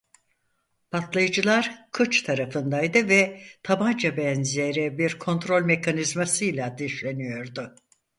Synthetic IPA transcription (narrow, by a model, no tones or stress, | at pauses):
pʰat̪lˠajɯd͡ʒɯlˠaɾkʰɯt͡ʃt̪ʰaɾafɯnd̪ajd̪ɯvɛt̪ʰaband͡ʒabɛnzieɾɛbiɾkʰo̞nt̪ɾo̞lʲme̞kʰanizmasɯjlʲˠad̪iʃlʲe̞nijo̞ɾd̪ʊ